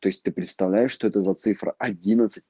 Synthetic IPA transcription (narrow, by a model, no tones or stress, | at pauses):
t̪o̞jɪsʲt̪ɨpɾʲɪt̪st̪ɐvlʲæjɪʂʂt̪oɛt̪əzɐt̪sɨfɾə̰ʔɐdʲinət̪sɨ̥t̚ʲ